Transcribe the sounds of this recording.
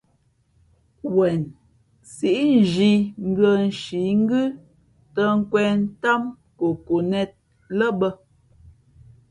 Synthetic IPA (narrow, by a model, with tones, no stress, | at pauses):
wɛ˨n | si˨ʔi˦n˦˨d͡ʒi˨ŋ̩˦ɡə˨n̩˨ʃi˨˦ŋ̩˦ɡʉ˦ | tə˦ŋ̩˦kwɛ˨n̩˦ta˦m | ko˨ko˨nɛ˦t̚ | lə˦bə˦